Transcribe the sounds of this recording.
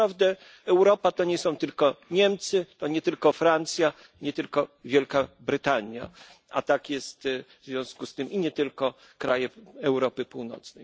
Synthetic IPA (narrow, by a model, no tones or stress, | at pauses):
avd̪ɛ | ɛwɾɔpat̪ɔɲɛsɔ̃w̃t̪ɘlkɔɲɛmt̪sɘt̪ɔɲɛt̪ɘlkɔfɾant̪sʲja | ɲɛt̪ɘlkɔvʲjɛlkabɾɘt̪aɲja̰a̰t̪akjɛst̪vzvʲjɔ̃w̃skust̪ɘmiɲɛt̪ɘlkɔ | kɾajɛɛwɾɔpɘpuwnɔ̰t̪snɛj